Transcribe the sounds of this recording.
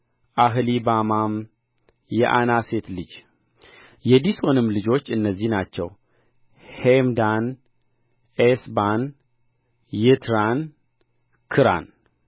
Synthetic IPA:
ʔaɦɨlibamam | jɛ̰ʔanaset̪lɨd͡ʒ | jɛd̪iso̞nɨmːlɨd͡ʒo̞t͡ʃːɨnːəzːihnat͡ʃːɛ̰w | hemd̪an | ʔesban | jɪt̪ʰɾan | kʰɨɾa̰n

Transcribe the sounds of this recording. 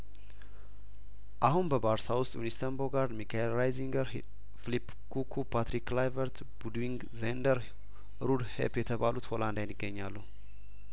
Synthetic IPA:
ʔaɦunbəbaɾsawʊst̪ʼjunist̪ʰəmboɡaɾd̪mikʰaelɾajziŋɡəɾ | filip | kʰukʰupʰat̪ɾiklajvəɾt̪ | b̥ud̪wiŋɡ | zend̪əɾ | ɾud̪hḛpjɛt̪ʰəβalut̪holand̪ajnːɨɡːəɲːalːu

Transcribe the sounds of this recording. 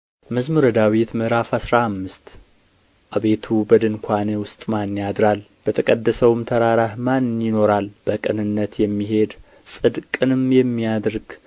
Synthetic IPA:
məzmuɾəd̪awit̪mɨhɾafasɾahamːɨst̪ | ʔaβe̞t̪ʰubəd̪ɨŋkʷʰanewʊst̪ʼmanːjad̪ɾal | b̥ət̪ʰəkʼəd̪ːəsəwmt̪ʰəɾaɾahmannjɪno̞ɾalb̥əkʼɨnɨnːət̪jɛmːiɦe̞d̪ | sʼɨd̪kʼɨnɨmjɛmːijad̪ɾɡ

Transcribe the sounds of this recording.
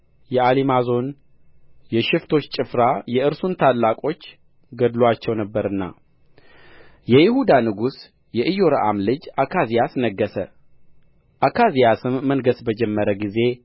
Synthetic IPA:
jɛalimazo̞n | jɛʃɪft̪ʰo̞t͡ʃːt͡ʃʼɪfɾajɛʔɨɾsunt̪ʰalːakʼo̞t͡ʃː | ɡəd̪lwat͡ʃːɛwnəbːəɾɨnːa̰ | jɛjɪhud̪anɨɡus | jɛʔɨjːo̞ɾəʔa̰mlɨd͡ʒakʰazijasnəɡːəsə | ʔakʰazijasɨmːənɡəsbəd͡ʒɛmːəɾəɡize̞

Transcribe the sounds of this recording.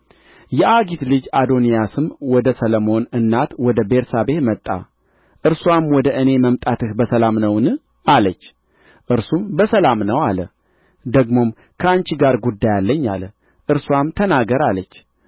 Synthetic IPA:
jɛʔaɡit̪lɨd͡ʒad̪o̞nijasɨmwɔd̪əsələmo̞nɨnːat̪wɔd̪əbe̞ɾsaβe̞t̪mət̪ʼːa̰ | ʔɨɾswamwɔd̪əʔɨne̞məmt̪ʼat̪ɨhbəsəlamnəwnɨ | ʔalət͡ʃː | ʔɨɾsumbəsəlamnəwalə | d̪əɡmo̞m | kʰəant͡ʃiɡaɾɡud̪ːajalːəɲːa̰lə | ʔɨɾswamt̪ʰənaɡəɾalət͡ʃː

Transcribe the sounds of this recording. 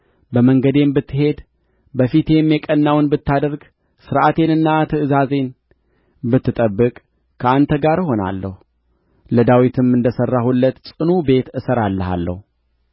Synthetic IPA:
bəməŋɡəd̪e̞mbɨt̪ːɨɦe̞d̪ | bəfit̪ʰe̞mjɛkʼənːawnbɨt̪ːad̪əɾɡ | sɨɾʔat̪ʰe̞nɨnːat̪ʰɨɨzaze̞n | bɨt̪ːɨt̪ʼəbːɨkʼ | kʰəant̪ʰəɡaɾɦo̞na̰lːə̰hu | ləd̪awit̪ʰɨmɨnd̪əsərːahulːət̪sʼɨnube̞t̪ɨsəɾalːəɦa̰lːə̰hu

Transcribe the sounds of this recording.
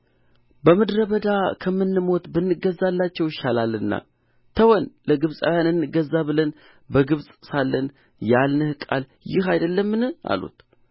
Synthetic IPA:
bəmɨd̪ɾəβəd̪akʰəmːɨnːɨmo̞t̪bɨnːɨɡəzːalːat͡ʃːɛwjɪʃalalɨnːa̰ | t̪ʰəwɔnləɡɨβsʼa̰wjanɨnːɨɡəzːaβɨlən | bəɡɨβsʼsalːən | jalnɨhkʼal | jɪhajd̪əlːəmːɨnɨha̰lṵt̪

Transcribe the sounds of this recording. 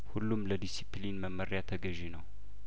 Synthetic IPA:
hulːumləd̪isiplinməmːəɾjat̪ʰəɡəʒenəw

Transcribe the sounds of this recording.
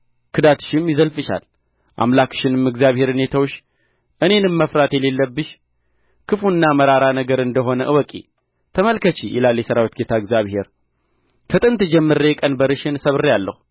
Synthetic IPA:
kʰɨd̪at̪ʰɨ̥ʃɪmjɪzəlfɨʃa̰l | ʔa̰mlakʃɪnɨmɨɡzjaβhe̞ɾnet̪ʰawʃ | ʔɨne̞nɨmːəfɾat̪jɛle̞lːəbːɨʃ | kʰɨfunːaməɾaɾanəɡəɾɨnd̪əɦo̞nəʔɨwɔkʼḭ | t̪ʰəməlkət͡ʃijɛlalːjɛsəɾawit̪̚ɡet̪ʰaɨɡzjaβhe̞ɾ | kʰət̪ʼɨnt̪ɨd͡ʒɛmːɨɾəjɛkʼənbəɾɨʃɪnsəβɨrjalːə̰hu

